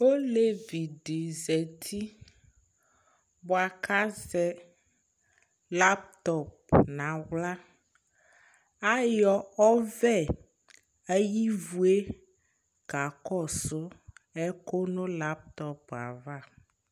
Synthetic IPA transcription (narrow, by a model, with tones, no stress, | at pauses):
wo˦le˦vi˨ɖe˨zɛ˨t̪ʰi˦ | bɔ˨a˨ka˦zɛ˦ | la˦pt̪ɔ˦˨p̚nã˨wla˦ | a˦jɔ˦ɔ˦vɛ˦˨ | e˦ji˦vu˦e˦ | ɡa˨kɔ˦so˦ɛ˦ko˦nõ˦la˦p̚t̪ɔ˦pa̰˨va˦˨